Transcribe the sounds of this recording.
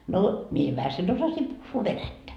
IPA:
no mie jo ʋæhæsen osɑsim puhːuː ʋenætːæ

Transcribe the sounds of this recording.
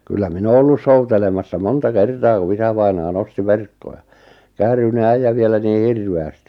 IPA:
kylːæ min oː olːus soutelemɑsːɑ montɑ kertɑː ku isæʋɑinɑː nosti ʋerkːoj̆ɑ kæːryne æijæ ʋielæ niː hirʋeæsti

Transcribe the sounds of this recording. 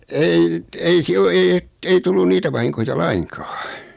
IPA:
ei ei siel o ei et ei tulːun niːtæ ʋɑhiŋkojɑ lɑiŋkɑ̥ː

